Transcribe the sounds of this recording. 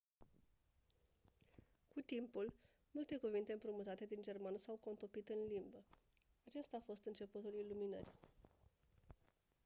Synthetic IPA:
kut̪impul | mult̪e̞kuvint̪e̞ɨmpɾumut̪at̪e̞d̪ind͡ʒe̞rmanəsawko̞nt̪o̞pit̪ɨnlimbə | at͡ʃe̞st̪aːfo̞st̪ɨnt͡ʃe̞put̪uliluminə̰rʲ

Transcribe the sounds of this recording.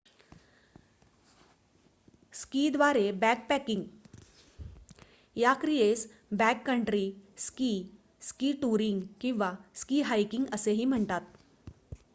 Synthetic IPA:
skiːd̪ʋaɾebækpɛkiŋɡ | jakɾijes | bɛkːəɳʈɾiːskiː | skiːʈuɾiŋɡkĩw̃ʋaskiːɦajkiŋɡəseɦiːm̤əɳt̪at̪

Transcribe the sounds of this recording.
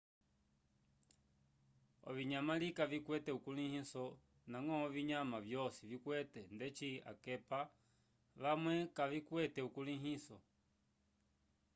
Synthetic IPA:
ɔ̰viɲamalikavikwɛtɛukulihisɔ | naŋɔviɲamavjɔsivikwɛtɛndɛt͡ʃia̰kɛpa | ʋamwɛkavikwɛtɛukuliɦisɔ̰

